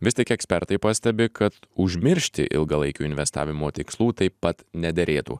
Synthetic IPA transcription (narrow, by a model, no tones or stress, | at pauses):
ʋʲɪst̪ʲɪɛkɛksʲpʲɛɾt̪ɐɪpɐsʲt̪ʲɛbʲɪkɐt̪ʊʒʲmʲɪɾʲʃʲt̪ʲɪ̰ʔɪ̰lˠɡɐlˠɐɪkʲuːɪnʲʋʲɛst̪ɑ̰ːʋʲɪmoːt̪ʲɪkslˠuːt̪ɐɪpːɐt̪nʲɛd̪ʲɛɾʲeːt̪ṵː